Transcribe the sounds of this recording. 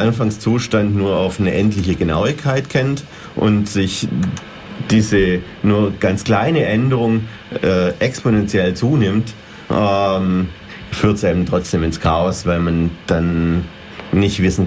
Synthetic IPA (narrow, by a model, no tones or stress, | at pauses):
ʔanfaŋst͡suːʃtantnuːɐaʊfnəʔɛntlɪçəɡəna̰ʊɪçkʰːaɪtkʰɛnt | ʔʊ̰ntz̥ɪç | d̥iːzə | nuːɐɡ̥ant͡skl̥aɪnəʔɛndəʁʊŋ | ɛːʔɛksponɛnt͡sjɛlt͡suːnɪmt | ʔɛm | fyːɐtsʔeːbm̩tʁ̥ɔt͡sd̥eːmɪnskʰaːɔsv̥aɪlmand̥anː | ɪçtvɪsn̩